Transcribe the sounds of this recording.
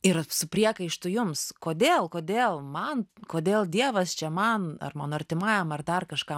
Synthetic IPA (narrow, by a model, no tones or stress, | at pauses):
ɪrsʊpʲrʲiɛkɐɪʃt̪ʊjʊmskoːd̪ʲeːlˠkoːd̪ʲeːlˠmɐnkoːd̪ʲeːlˠd̪ʲiɛʋɐst͡ʃʲɛmɐnɐ̰rmɐnoɐrʲt̪ʲɪmɑːjomɐrd̪ɐrkɐʃkɑ